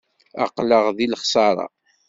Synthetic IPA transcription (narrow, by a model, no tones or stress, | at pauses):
ɑ̰qləʁðilχsˤɑɾˤɑ̰